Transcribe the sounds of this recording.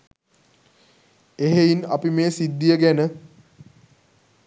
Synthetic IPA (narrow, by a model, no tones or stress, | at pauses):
eɦeina̰pimeːsid̪ːijəɡænə